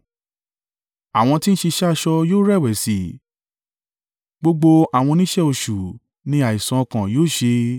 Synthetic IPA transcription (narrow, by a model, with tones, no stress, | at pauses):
a˨w̃ɔ̃˧ti˦n̩˦ʃe˧ʃa˦˧ʃɔ˧joː˦ɾɛ˦˨wɛ˨si˨˦ | ɡ͡bo˧ɡ͡bo˧a˨w̃ɔ̃˧nĩ˦ʃɛ˦o˧ʃu˨ | nĩ˧a˨i˨sã˨˧kã˨joː˦˨ʃe˧